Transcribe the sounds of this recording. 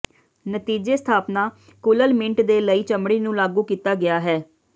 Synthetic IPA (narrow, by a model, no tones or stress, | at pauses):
nət̪iːd͡ʒeːst̪ʰaːpnaː | kʊləlmɪ̃ɳʈd̪eːləiːt͡ʃəmɽiːnũːlaːɡũːkiːt̪aːɡɪaːɦɛː